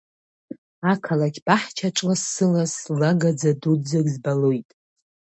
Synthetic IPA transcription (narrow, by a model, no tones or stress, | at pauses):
akʰalakʲʰb̥aħt͡ʃʰaʈ͡ʂʼlasːɨlaslaɡad͡zadud͡zaɡʲzbalojtʼ